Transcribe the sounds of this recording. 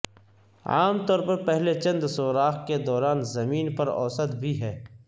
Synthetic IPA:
a̰ːmt̪ɔːɾpɐɾpɛɦlet͡ʃɐ̃nd̪soːɾaːxked̪ɔːɾaːnzɐmiːnpɐɾɔ̰ːsət̪bʱiɦɛː

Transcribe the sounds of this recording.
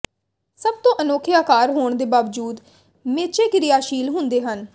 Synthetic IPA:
səb̚t̪õːʔənoːkʰɪaːkaːɾɦoːɳd̪eːbaːʋd͡ʒuːd̪ | meːt͡ʃeːkɪɾɪjaːʃiːlɦʊ̃nd̪eːɦən

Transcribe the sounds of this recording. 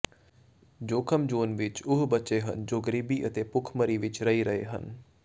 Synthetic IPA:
d͡ʒoːkʰəmd͡ʒoːnʋɪt͡ʃʊɦbətːt͡ʃeɦə̰nd͡ʒoːɡəɾiːbiʔət̪epʊkʰməɾiʋɪt͡ʃɾəɦiɾəɦḛɦə̰n

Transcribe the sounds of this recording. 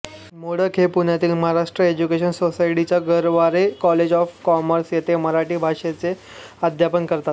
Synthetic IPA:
moɽ̤əkʰɦepuɳjat̪iːlməɦaɾaʂʈɾəed͡ʑukeɕənsosaiʈit͡ɕjaɡəɾʋaɾekɔled͡ʑɔfkɔməɾsjet̪eməɾaʈiːbʱaʂet͡se | ad̪ʱjapənkəɾt̪at̪̚

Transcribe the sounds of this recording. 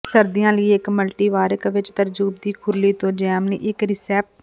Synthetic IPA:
səɾd̪ijãːləiːɪkməlʈiːʋaːɾəkʋɪt͡ʃt̪əɾd͡ʒuːb̚d̪iːkʰʊliːt̪õːd͡ʒɛːmnḭːʔɪkɾɪsɛːp̚ʈ

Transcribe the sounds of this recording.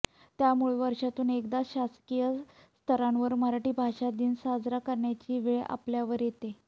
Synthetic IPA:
t̪jamuɭʋəɾʂat̪uːnekd̪aɕaskijəst̪ʰəɾãnʋəɾməɾaʈiːbʱaʂad̪iːnsad͡zɾakəɾɳjat͡ɕiːʋiɭeʔa̰pljaʋəɾjet̪e

